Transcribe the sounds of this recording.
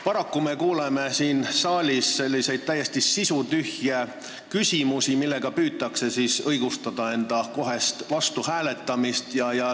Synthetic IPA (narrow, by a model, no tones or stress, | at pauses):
pɑɾɑkːume̞kuːleme̞siːnsɑːlʲisse̞lʲːise̞jd̪̚t̪æjːe̞st̪isisut̪yhje | kysʲimusimilːe̞ɡ̥ɑpyːt̪ːˑɑkse̞siːsɤjɡ̥ust̪ɑd̪̥ɑe̞nd̪̥ɑko̞ɦe̞st̪vɑst̪uhæːle̞t̪ːˑɑmist̪jɑjɑ